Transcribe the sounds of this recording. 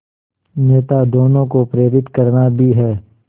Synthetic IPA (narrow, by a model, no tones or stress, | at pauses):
neːt̪ad̪oːnõkopɾeːɾɪt̪kɐɾnabʱiɦɛː